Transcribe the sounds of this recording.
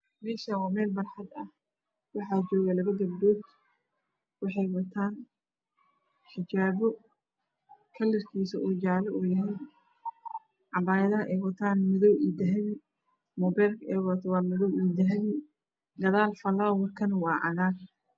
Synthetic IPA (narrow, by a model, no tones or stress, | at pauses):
mɛːʃawɑːmɛːlbɐrħɑd̪ɐh | wɑħɑːd͡ʒɔːɣɐlɐɣɐɡɐb̚d̪ɔːt | wɑħɑjwɐt̪ʰaːn | ħɪd͡ʒaːβɔ | kʰɐlɪrkʰiːsɐʔuːd͡ʒaːʕlɔuːjɐɦɛj | ʕɑβaːjɐðɐɦɐʔɛjwɐt̪ʰaːnmɪðɔwʔiːd̪ɐɦɐβi | mɔbɛlkɛːwaːt̪ʰɐwaːmɪðɔwʔiːd̪ɐɦɐβi | ɡɐðaːlfɐlaːwɐrkʰɐnwɑːʕɑɣaːr